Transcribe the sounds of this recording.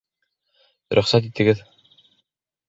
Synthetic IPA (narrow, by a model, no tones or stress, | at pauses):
ɾʔɵ̆χsæt̪it̪ɘ̆ɡɘð